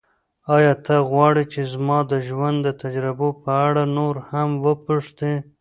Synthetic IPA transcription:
ɑjɑt̪ʰaɣwɑɽit͡ʃezmɑd̪əʒwand̪d̪ːət̪ad͡ʒɾɪbopəaɽanoɾhamwəpuʂt̪e

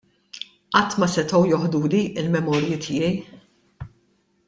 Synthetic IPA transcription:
ʔɐt̪ːmɐsɛt̪ɔwjɔħd̪uːliʔɪlmɛmɔːɾjɪt̪ʰɪːjɛj

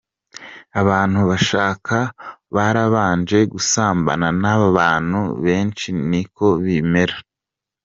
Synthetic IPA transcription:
aβaːn̥huβaʃaːkʰaβaɾaβaːnd͡ʒe̞ɡusaːmba̰nanaβaβaːn̥hṵβe̞ːnt͡ʃiniko̞βiːmeɾa

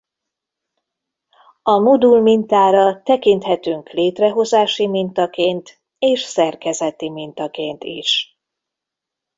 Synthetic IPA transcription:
ɒmud̪ulmint̪aːɾɒt̪ɛkint̪hɛt̪yŋkleːt̪rɛɦo̞zaːʃimint̪ɒkeːnt̪ | eːʃsɛrkɛzɛt̪imint̪ɒkeːnt̪ḭʃ

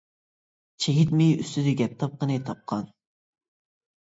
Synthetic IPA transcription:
t͡ʃʰeɡʲit̪mɪjyst̪yd̪ɪɡʲɛp̚t̪ʰɑp̚qənɨt̪ʰɑp̚qʰɑn

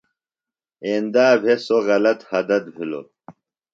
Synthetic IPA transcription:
eːnd̪aːbʱesoɣɐlɐt̪hɐd̪ɐt̪̚bʱilo̰

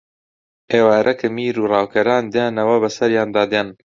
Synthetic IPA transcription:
ʔeːwaːɾʔɐkʰɨmiːɾuːrˤɑːwkʰɐɾaːnd̪jaːnɐwɐbɐsɐɾjaːnd̪aːd̪an

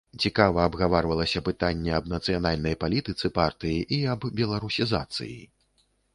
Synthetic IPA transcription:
t͡sʲikavɐːbɣavarvɐlˠɐsʲɐpɨt̪anʲːɛɐbnɐt̪sɨjanalʲnɐjpalʲit̪ɨt̪sɨpart̪ɨjiʔiɐbbʲɛlˠaɾusʲiza̰t̪sɨ̰jḭ

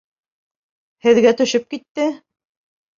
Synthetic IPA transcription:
hɘ̆ðɡæt̪ɵ̆ʃɘp̚kit̪ːɘ

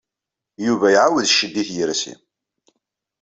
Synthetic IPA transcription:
juvæjʕawəðʃəd̪ːiθjəɾsḭ

